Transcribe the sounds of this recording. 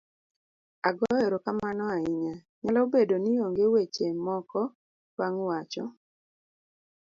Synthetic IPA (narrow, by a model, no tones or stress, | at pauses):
aɡɔjɔɾokamanɔaɪɲa | ɲalɔobedonioŋɡewet͡ʃemɔkɔ | waŋwat͡ʃɔ̰